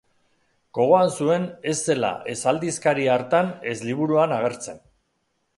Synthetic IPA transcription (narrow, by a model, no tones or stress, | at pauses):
ɡ̥o̞ɣ̞oansue̞ne̞sːe̞la̰ʔe̞sald̪iskaɾiaɾt̪ane̞zliβ̞uɾuanaɣ̞e̞ɾt͡se̞n